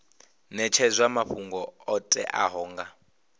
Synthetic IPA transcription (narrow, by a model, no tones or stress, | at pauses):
nɛt͡ʃʰɛzʷwamaɸuŋɡɔɔtʼɛ̰ʔaɦɔːŋɡa